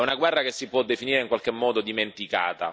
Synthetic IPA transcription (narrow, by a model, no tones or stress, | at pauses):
ɛunaɡwɛrːakesːipwɔd̪ːefiniːɾeiŋkwalk̟emːɔːd̪od̪iment̪ika̰ːt̪a̰